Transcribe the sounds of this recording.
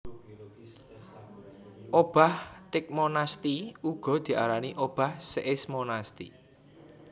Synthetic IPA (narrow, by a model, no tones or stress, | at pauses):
ʔob̥a̤ht̪ɪk̚monast̪iuɡ̥ɔ̤d̪̥i̤ʔa̰ɾaniʔob̥a̤hseʔɪsmonast̪ḭ